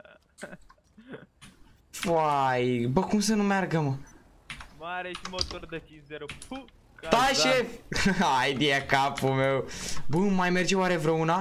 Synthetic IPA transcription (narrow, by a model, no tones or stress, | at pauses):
fajbɐkums̬enũmaɾɡɐmɐ | maɾɐeʃimot̪oɾd̪ɐkizɛɾup | kt̪aʃefaajd̪iɛkapumewbumajmeɾd͡ʒiwaɾevɾɐuna